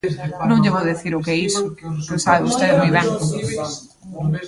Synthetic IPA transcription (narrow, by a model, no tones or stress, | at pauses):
nõŋʎeβoðeθiɾʊkeisʊkosaβeust̪eðɪmujβɛŋ